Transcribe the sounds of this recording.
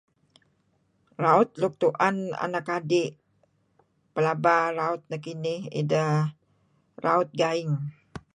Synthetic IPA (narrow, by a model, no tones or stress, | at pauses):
raʊt̪̚luk̚t̪uʔana̰nakadɪʔ | pəlabaɾaʊt̪̚nakinɪhḭdəh | raʊt̪̚ɡaɪŋ